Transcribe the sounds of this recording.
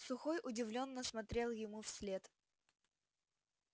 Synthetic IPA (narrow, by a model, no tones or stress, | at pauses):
sʊxojʔʊdʲɪvlʲo̞nːəsmɐt̪ɾʲe̞lˠjɪmufsʲlʲet̪